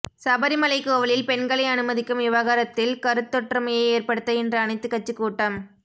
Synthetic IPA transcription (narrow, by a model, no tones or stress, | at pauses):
sɐbɐɾimɐlɐɪkːɯɔʋɐɭɪlpɛnɡɐɭɐɪɐnɯmɐðɪkːɯmʋɪʋaːɣaːɾɐt̪ːɪlkɐɾɯt̪ːɔʈːrɯmɐjɐɪeːrpɐɽɯt̪ːɐɛndrɯɐnɐɪt̪ːɯkːɐt͡ʃːɯkːuːʈːɐm